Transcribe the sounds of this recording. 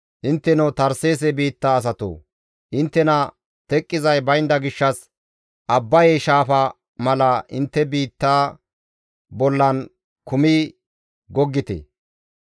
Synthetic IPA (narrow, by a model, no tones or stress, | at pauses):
ʔɪnt̪ːɛnɔwt̪ɐɾse̞ːs̬ɛbiːt̪ːaːs̬ɐt̪o̰ː | ʔɪnt̪ːɛnɐ | t̪ɛkʼːɪzɐjbɐjɪnd̪ɐɡɪʃːɐs | ʔɐbːɐjeʃaːfɐ | mɐlɐʔɪnt̪ːɛbiːt̪ːaː | bɔlːɐn | kʊmiː | ɡɔɡːɪt̪ḛ